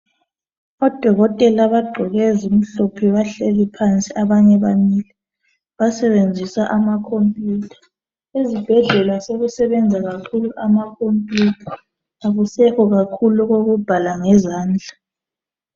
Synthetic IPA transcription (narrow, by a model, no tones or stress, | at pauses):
ɔd̥ʱɔɣɔtʼɛlaβaɡ͡ǃʱɔɣɛzum̩ɬɔpʰiβaɬelipʰant͡sʼiaβaɲɛβamiːlɛ | βasɛβend͡zʱisaʔamakʰompʼjuːtʰḁ | ezib̥ʱɛɮɛlwasoɣusɛβɛnd͡zʱaɣakʰuluʔamakʰompʼjutʰḁ | aɣusɛkɔɣakʰuluɣoɣub̥ʱalaŋɛzaːnd͡ɮʱa